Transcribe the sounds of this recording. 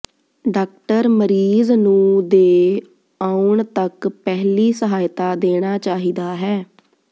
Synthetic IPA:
ɖaːk̚ʈəɾməɾiːznũːd̪eː | aːʊɳt̪əkpɛɦliːsəɦaːjt̪aːd̪eːɽ̃aːt͡ʃaːɦiːd̪aːɦɛː

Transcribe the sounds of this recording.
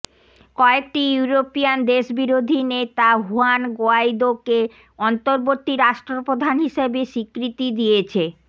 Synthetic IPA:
kɔek̚ʈijuɾopijand̪eʃbiɾod̪ʱinet̪aɦuanɡoajd̪oke | ɔnt̪oɾbot̪ːiɾaʃʈɾopɾod̪ʱanɦiʃebeʃikɾit̪id̪iet͡ɕʰe

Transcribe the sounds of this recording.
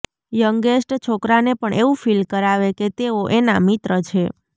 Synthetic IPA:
jəŋɡesʈt͡ʃʰokɾanepəɳʔeʋũfʰilkəɾaʋeket̪eoʔena̰mit̪ɾət͡ʃʰe

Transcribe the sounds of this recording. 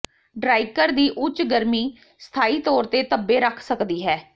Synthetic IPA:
ɖɾaːikəɾd̪iːʔʊt͡ʃɡəɾmiː | st̪ʰaːiːt̪ɔːɾt̪eːt̪əbːeːɾəkʰsəkd̪iːɦɛː

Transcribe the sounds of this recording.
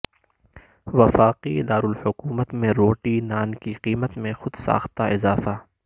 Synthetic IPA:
ʋɐfaːqiɪd̪aːɾʊlhʊkuːmət̪mẽɾoːʈinaːnkiqiːmət̪mẽxʊd̪sa̰ːxt̪aʔɪzaːfaː

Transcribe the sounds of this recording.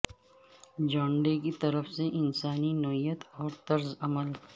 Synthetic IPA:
d͡ʒãːɳɖekit̪ɐɾəfseʔɪnsaːninoɦijət̪ɔːɾt̪ɐɾzɐməl

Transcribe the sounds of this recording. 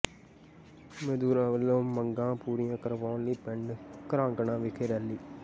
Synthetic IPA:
med̪uːɾãːʋəlːõːməŋɡãːpuːɾijãːkəɾʋaːliːpɛɳɖkəɾãːŋɡəɳãːʋɪkʰeːɾɛːlːiː

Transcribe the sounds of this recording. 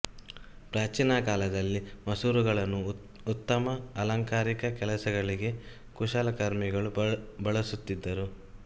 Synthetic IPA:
pɾaːt͡ʃiːnɐkaːlɐd̪ɐlːimɐsuːɾuɡɐɭɐnːuː | t̪ːɐmɐːlɐŋkaːɾikɐkɛlɐsɐɡɐɭiɡe̞ | kuʃalɐkɐɾmiɡɐɭubɐɭɐsut̪ːid̪ːɐɾu

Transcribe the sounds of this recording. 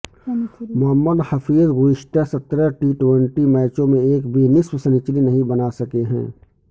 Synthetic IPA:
mʊɦəmːəd̪həfʰiːzɣuɪʃʈʰasət̪ɾəʈiːʈweɳʈimaːɪt͡ʃõmẽeːkbʱinɪswsənɪt͡ʃlinɐɦĩbɐnasɐkeɦɛ̰̃ː

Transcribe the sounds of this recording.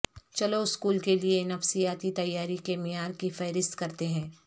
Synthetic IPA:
t͡ʃɐloɪskuːlkelienɐfsijaːt̪it̪ɐjːaːɾikemɪjaːɾkifɛːɾɪst̪kɐɾt̪eɦɛ̃ː

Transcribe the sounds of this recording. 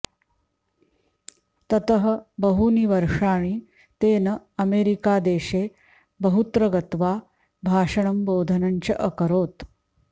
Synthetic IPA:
t̪ət̪əɦəbəɦuniʋəɾʂaːɽ̃iː | t̪eːnəɐmeɾikad̪eːʂe | bəɦut̪ɾəɡət̪ʋa | bʱaːʂəɳ̃ɐmboːd̪ʱənaɲt͡ɕəʔəkəɾoːt̪

